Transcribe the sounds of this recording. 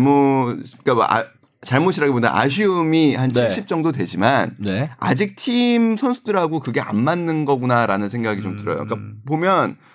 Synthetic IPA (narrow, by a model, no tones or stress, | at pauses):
mok͈aa̰ | t͡ɕaɭmoɕʰiɾaɡebonda̰ʔa̰ɕ̬ʰiɯmihant͡ɕʰiɕʰip̚t͡ɕ͈ʌŋdotwe̞d͡ʑimannea̰d͡ʑik̚tʰimsʰʌnsʰudɯɾɦaɡokɯɡe̞a̰nmanːɯnɡʌɡunaɾanɯnsʰe̞ŋɡaɡit͡ɕomtɯɾʌ̰jo̰k͈apomjʌn